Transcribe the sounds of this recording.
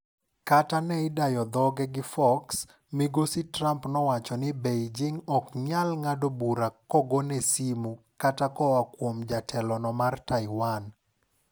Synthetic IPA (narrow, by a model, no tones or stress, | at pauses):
katanɛɪdajɔd̪ɔɡɛɡɪfɔks | miɡositrampnɔwat͡ʃɔnɪbejd͡ʒɪŋɔkɲalŋadobuɾakɔɡonesimu | katakɔwakwomd͡ʒatʰɛlɔnɔmartaɪwan